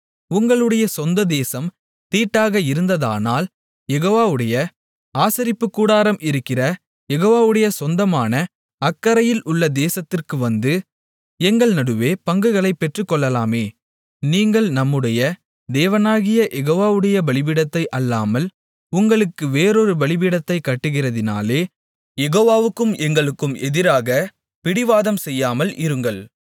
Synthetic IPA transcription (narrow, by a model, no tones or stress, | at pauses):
ʊŋɡɐɭɯɽɐjɐsɔnd̪ɐd̪eːsɐm | t̪iːʈːaːɣɐɪɾɯnd̪ɐða̰ːnaːl | jɛɣoːʋaːʋɯɽɐjɐ | aːsɐɾɪpːɯkːuːɽaːɾɐmɪɾɯkːɪrɐ | jɛɣoːʋaːʋɯɽɐjɐsɔnd̪ɐmaːnɐ | ɐkːɐɾɐjɪlʔʊɭːɐd̪eːsɐt̪ːɪrkɯʋɐnd̪ɯ | ɛŋɡɐɭnɐɽɯʋeːpɐŋɡɯɣɐɭɐɪpːɛʈrɯkːɔɭːɐlaːmeː | niːŋɡɐɭnɐmːɯɽɐjɐ | d̪eːʋɐnaːɣɪjɐʔɛɣoːʋaːʋɯɽɐjɐbɐɭɪbɪɽɐt̪ːɐɪʔɐlːaːmɐl | ʊŋɡɐɭɯkːɯʋeːɾoɾɯbɐɭɪbɪɽɐt̪ːɐɪkːɐʈːɯɣɪrɐðɪna̰ːleː | jɛɣoːʋaːʋɯkːɯmɛŋɡɐɭɯkːɯmʔɛðɪɾaːɣɐ | pɪɽɪʋaːðɐmsɛjːaːmɐlʔɪɾɯŋɡɐɭ